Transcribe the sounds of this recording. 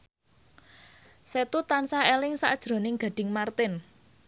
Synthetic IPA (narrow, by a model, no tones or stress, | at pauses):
set̪ut̪ansaelɪŋsa̰ʔd̥ʒ̥ɾo̤nɪŋɡ̥a̤ɖ̥ɪ̤ŋmart̪ɪn